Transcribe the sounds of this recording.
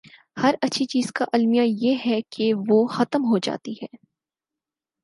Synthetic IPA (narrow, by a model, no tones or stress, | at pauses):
hɐɾɐtːʃʰit͡ʃiːz̥kaʔɐlmijajeɦɛkʰeʋoːxɐt̪əmɦod͡ʒa̰ːt̪iɦɛː